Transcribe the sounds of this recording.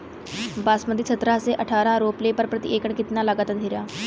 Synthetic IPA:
baːsməd̪ʱisʰət̪ɾaɦseʔəʈʰaːɾãɾoːplepəɾpɾət̪ḭʔekəɳkɪt̪nalaːɡaːt̪aiɾjaː

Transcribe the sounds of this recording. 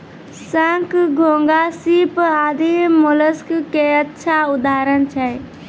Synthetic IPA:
sãŋkɡʱõːŋɡasipaːd̪ʱimʊləskkeətːʃʰaʊd̪aːɾənt͡ʃʰɛ

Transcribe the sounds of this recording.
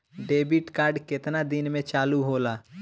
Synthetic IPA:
ɖeːbɪʈkaːɾɖkɪt̪nad̪ɪnmẽt͡ʃaːluɦoːlaː

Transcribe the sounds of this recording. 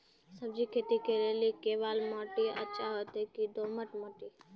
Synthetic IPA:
səb̚d͡ʒikʰeːt̪ikelelikeːʋaːlmoːʈiə̰tːʃʰaɦot̪ekid̪oːməʈmoːʈi

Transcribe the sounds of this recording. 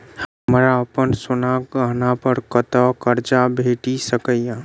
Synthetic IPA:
həmɾaəpənsʊnaɡəɦnapəɾkət̪əkəɾt͡ʃabʱeʈisəkəjjã

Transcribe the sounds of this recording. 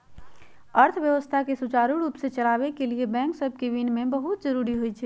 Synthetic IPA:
əɾt̪ʰbjəʋəst̪ʰakesut͡ʃaɾuɾupsẽt͡ʃəlabekeliebɛ̃ŋksəbʱkeʋinmebəɦut̪̚d͡ʒəɾuɾiɦojt͡ʃʰɛ

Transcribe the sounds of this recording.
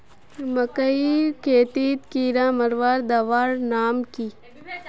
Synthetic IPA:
mɐkəikʰeːt̪iːt̪kiːɾãːmɐɾʋaːɾd̪ɐʋaːɾnaːmki

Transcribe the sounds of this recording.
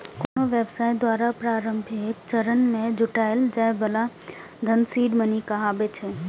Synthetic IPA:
konoʋeːbsaːɪd̪waːɾapɾaːɾə̃mbʱet͡ʃəɾənmẽd͡ʒʱʊʈaːɪld͡ʒãːɦɪ̃bəla | d̪ʱənsiːɖmənikaɦabet͡ʃʰeː

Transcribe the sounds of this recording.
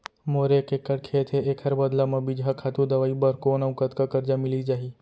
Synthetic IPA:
moɾekekːəɽkʰeːt̪ʰeekʰəɾbəd̪lamɐ̃bid͡ʒɦakʰat̪ũd̪əʋaːibəɾkonaũkət̪kakəɾd͡ʒamɪlid͡ʒaːɦi

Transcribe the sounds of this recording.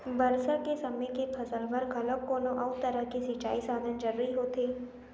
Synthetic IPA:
bɐɾsakesɐməjkepʰɐsəlʋəɾɡʱɐləkːoːlõʔɐʊt̪əɾəɦkesɪt͡ʃaːisaːd̪ʱənd͡ʒɐɾɾiɦoːt̪eː

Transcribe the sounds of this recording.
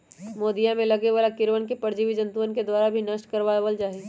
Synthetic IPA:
moːd̪ijamẽlɐɡeʋalakɪɾʋənkepɐɾd͡ʒiʋid͡ʒɐ̃nt̪uənked̪waːɾabʱinɐʃʈkɐɾʋaʋəld͡ʒaːɦiː

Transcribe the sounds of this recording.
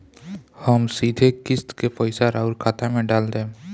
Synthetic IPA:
həmsid̪ʱekist̪kepəjsaɾauɾkʰat̪amẽɖald̪ẽː

